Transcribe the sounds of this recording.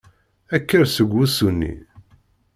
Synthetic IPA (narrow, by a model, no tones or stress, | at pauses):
ækːəɾsəɡʷːusunːḭ